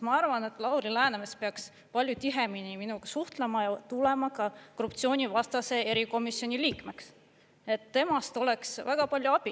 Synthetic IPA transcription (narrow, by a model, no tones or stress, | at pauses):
mɑɑrvɑne̞t̪ːˑlɑwɾilæːnemespeɑks | pɑlʲjut̪iɦeminiminuɡ̥ɑsuht̪lemɑjɑt̪ulemɑkɑkorup̚t̪sio̞ːnʲivɑst̪ɑse̞e̞ɾiko̞misːjo̞nʲiliːkme̞ks | e̞t̪ːe̞mɑst̪o̞lɛ̞ksvæɡ̥ɑpɑlʲjuɑb̥i